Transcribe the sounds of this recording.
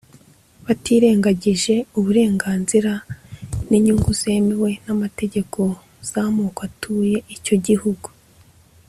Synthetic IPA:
βatiːɾe̞ːŋɡaɟiʒe̞uβuɾe̞ːŋɡaːnziɾa | niɲuŋɡuz̥e̞miwe̞namate̞ɟe̞kʰo̞ | z̥amuːkatʰuːje̞ʔico̞ɟihuɡu

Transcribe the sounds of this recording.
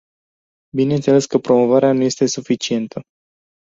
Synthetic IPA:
bine̞nt̪sele̞skəpɾo̞mo̞vaɾeanuje̞st̪e̞sufit͡ʃie̞nt̪ʰə

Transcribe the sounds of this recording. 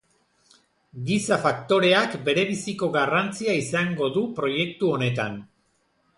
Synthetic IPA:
ɡisafakt̪o̞ɾe̞akbe̞ɾe̞βisiko̞ɣarant͡siaisaŋɡo̞ðupɾo̞je̞kt̪uo̞ne̞t̪an

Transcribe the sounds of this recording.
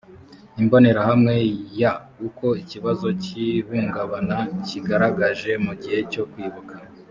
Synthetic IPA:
imbo̞ne̞ɾahamŋe̞jauko̞iciβazo̞cihuːŋɡaβanaciɡaɾaɡaʒe̞muɟihe̞co̞kwiːβukḁ

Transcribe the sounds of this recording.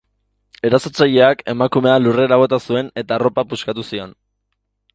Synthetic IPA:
e̞ɾaso̞t͡saʎe̞ake̞makume̞alure̞ɾaβ̞o̞t̪asue̞ne̞t̪aro̞papuskat̪usio̞n

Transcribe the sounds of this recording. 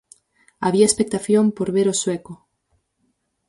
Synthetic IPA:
aβiaespek̚t̪aθjompoɾβeɾoswɛko

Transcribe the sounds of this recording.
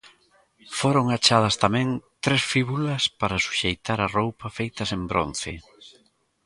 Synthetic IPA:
foɾoŋat͡ʃað̞ɐst̪amɛ̃ŋt̪ɾesfiβulɐspaɾɐsu̥ʃejt̪aɾɐrowpɐfejt̪ɐsembɾo̰n̟θɪ̰

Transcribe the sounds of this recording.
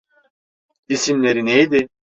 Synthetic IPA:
isimlʲe̞ɾinejd̪i

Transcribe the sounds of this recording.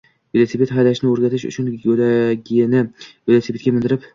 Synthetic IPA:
velesepet̪χajd̪aʃɪnɪoɾɡʲat̪ʰɪʃʊ̰t͡ʃʰʊnlaɡʲɪnɪjelʲesepet̪̚ʲɡʲamɪnd̪ɪɾɪp

